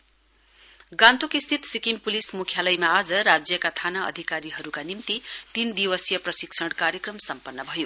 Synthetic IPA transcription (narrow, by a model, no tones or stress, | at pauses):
ɡãnt̪okist̪ʰit̪sikimpulismukʰjalʌjmaːd͡zʌɾad͡zjʌkat̪ʰanaʌ̰d̪ʱikaɾiɦʌɾukanimt̪it̪ind̪iwʌsjʌprʌsiksʰʌɽkaɾjekrʌmsʌmpʌnːʌbʱʌjo